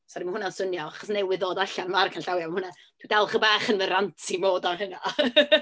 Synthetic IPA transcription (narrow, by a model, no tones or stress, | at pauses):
sɔɾimənhʊnansʊnjɔaχɔsnewɪðoːdaɬanəmarkʰanɬawjamanhʊna | tʰwidalˠχəbaːχənvəɾantʰimoːdamɦəna